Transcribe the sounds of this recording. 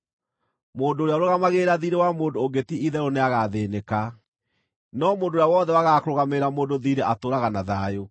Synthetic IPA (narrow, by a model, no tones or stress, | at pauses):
moːndoːɾeaɾoɣamaɣeːɾaðiɾewamoːndooŋɡetiiðɛɾoneaɣaðeːneka | nɔmoːndoːjawɔðɛwaɣakɾoɣameɾamoːndoðiɾeʔatoːɾaɣanaðajo